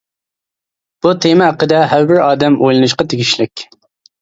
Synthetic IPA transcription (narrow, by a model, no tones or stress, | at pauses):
b̥ut̪ʰemɛːqəd̪ɛɦæwbɪɾɑːd̪ɛmojlˠɨnɨʃqɑt̪ʰeɡʲiʃlɪkʲ